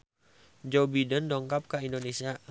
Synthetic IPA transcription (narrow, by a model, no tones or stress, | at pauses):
d͡ʒobidəndɔŋkap̚kaindonesia